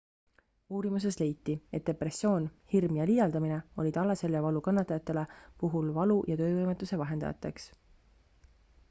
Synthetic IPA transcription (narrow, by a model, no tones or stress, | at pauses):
uːɾimus̬e̞sle̞jt̪ˑːie̞t̪̚d̪̥epresːjo̞ːnhirmjɑlid̪ɑld̪̥ɑmine̞o̞lʲid̪̥ɑlːɑse̞lːevɑlukɑnːɑt̪ːˑɑjɑt̪ˑːe̞le̞puɦulvɑlujʔɑt̪ø̞ːvɤjmet̪ːˑuse̞vɑɦe̞nd̪̥ɑ̰jɑ̰t̪ːˑḛks